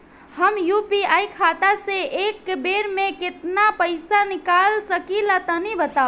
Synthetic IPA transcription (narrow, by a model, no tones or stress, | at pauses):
həmjupiajkʰat̪aseʔekbeɾmẽkɪt̪napəɪsanikalsəkilat̪ənibət̪a